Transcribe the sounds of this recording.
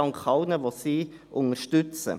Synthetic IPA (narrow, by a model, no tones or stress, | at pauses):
ɑŋkχɑʊnəʋosiːʔʊŋəʃtʏt͡sə̰